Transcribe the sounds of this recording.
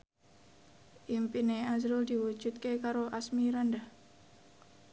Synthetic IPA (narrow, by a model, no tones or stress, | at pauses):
ʔimpineazɾuld̪iwu̥d͡ʒ̥ut̪̚kekaɾoʔasmiɾanda